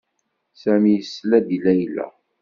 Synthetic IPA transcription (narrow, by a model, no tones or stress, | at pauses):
sæmijəsːlæd̪ilæjlæ̰